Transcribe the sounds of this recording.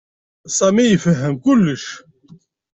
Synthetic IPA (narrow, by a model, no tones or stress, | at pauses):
sˤæmijəfəɦːəmkʊlːəʃ